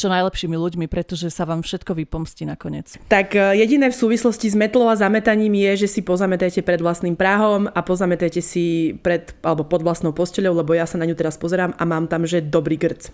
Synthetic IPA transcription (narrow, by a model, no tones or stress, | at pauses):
t͡ʃɔnajlɛpʃiːmiluɟmipɾɛt̪ɔʒɛsaʋaːmfʃɛt̪kɔʋipɔmsciːnakɔɲɪɛ̰t͡st̪akjɛɟinɛːfsuːʋislɔscizmɛt̪lɔʊazamɛt̪aɲiːmjɛʒɛsipɔzamɛt̪ajcɛpɾɛd̪ʋlast̪niːmpɾaɦɔmapɔzamɛt̪ajcɛsipɾɛt̪alɛbɔpɔd̪ʋlast̪nɔʊpɔscɛʎɔʊlɛbɔjasanaɲut̪ɛɾaspɔzɛɾaːma̰maːmt̪amʒɛd̪ɔbɾiːɡr̩t͡s